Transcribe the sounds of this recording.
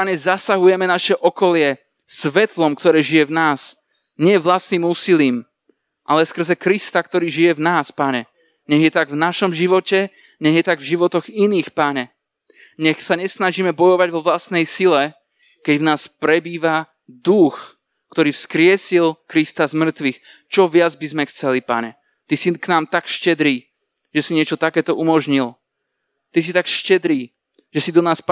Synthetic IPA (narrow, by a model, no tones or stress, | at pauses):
aɲɛzasaɦujɛmɛnaʃɛʔɔkɔlɪɛ | sʋɛt̪lɔmkt̪ɔɾɛːʒijɛvnaːs | ɲɛjɛʋlast̪niːmuːsiliːm | ʔa̰lɛskr̩zɛkɾist̪akt̪ɔɾiːʒijɛvnaːspaɲɛ | ɲɛɣjɛt̪aɡvnaʃɔmʒiʋɔcɛ | ɲɛɣjɛt̪aɡvʒiʋɔt̪ɔɣiniːxpaɲɛ | ɲɛxsaɲɛsnaʒiːmɛbɔjɔʋaɟvɔʋlast̪nɛjsilɛ | kɛɟvnaːspɾɛbiːʋa | d̪ux | kt̪ɔɾiːfskɾɪɛsilkɾist̪azmr̩t̪ʋix | t͡ʃɔʋɪad͡zbizmɛxt͡sɛlipa̰ɲɛ | t̪isiknaːmt̪akʃcɛd̪ɾiː | ʒ̥ɛsiɲɪɛt͡ʃɔt̪akɛːt̪ɔʔumɔʒɲil | t̪is̬it̪akʃcɛd̪ɾiː | ʒ̥ɛsid̪ɔnaːsp